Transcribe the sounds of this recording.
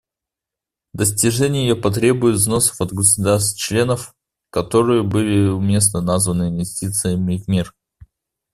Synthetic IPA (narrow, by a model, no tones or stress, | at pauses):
d̪əsʲtʲɪʐɛnʲɪjjəpɐt̪ɾʲe̞bʊjɪt̪zno̞sə̥fɐt̪ɡəsʊd̪arst̪t͡ɕlʲe̞nəf | kɐt̪o̞ɾɨjəbɨlʲɪʊmʲe̞s̬nənazvənɨɪnvʲɪsʲtʲit̪sɨjəmʲɪvmʲir